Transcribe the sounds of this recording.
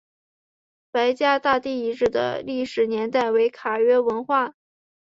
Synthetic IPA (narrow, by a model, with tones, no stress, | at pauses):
pa˧˥ɪt͡ɕja˥˧t̪a˥˧t̪i˥˩i˧˥ʈ͡ʂɻ̩˥˩d̪ə̰˩li˥˩ʂɻ̩˨˩njɛ˧˥nt̪a˥˩ɪwe˧˥ɪkʰa˨˩ɥɛ˥wə˧˥nxwa˥˩